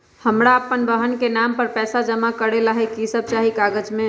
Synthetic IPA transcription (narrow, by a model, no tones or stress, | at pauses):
həmɾaəpːənbəɦənkenampəɾpɛːsad͡ʒəmakəɾelaɦɛkisəb̚t͡ʃaɦikaɡəd͡ʒmẽ